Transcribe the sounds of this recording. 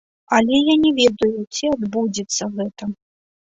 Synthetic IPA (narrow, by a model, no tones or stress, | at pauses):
ɐlʲɛjanʲɛvʲɛd̪ɐjut͡sʲiad̪bud͡zʲit̪sːɐɣɛt̪ɐ